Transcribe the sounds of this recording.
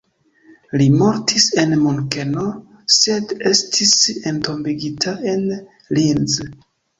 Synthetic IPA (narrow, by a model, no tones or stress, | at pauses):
limo̞ɾtʰise̞nmuŋkeno | sedestʰisento̞mbiɡitʰae̞n | linz